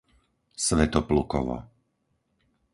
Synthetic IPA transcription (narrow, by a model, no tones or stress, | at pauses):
sʋɛt̪ɔplukɔ̰ʋa̰